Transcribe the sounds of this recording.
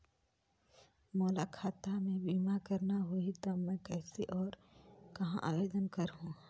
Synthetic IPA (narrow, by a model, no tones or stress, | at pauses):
mɔːlakʰaːt̪amẽbiːmakəɾnaɦoit̪ɔmɛ̃kɛːseʔɔːɾ | kɐɦã̰ʔa̰ːjeːd̪ənkəɾɦũ